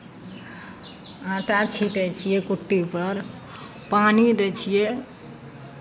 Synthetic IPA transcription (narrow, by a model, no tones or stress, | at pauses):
ãʈat͡ʃʰiʈɛjt͡ʃʰijɛkuʈːipəɾ | panid̪et͡ʃʰije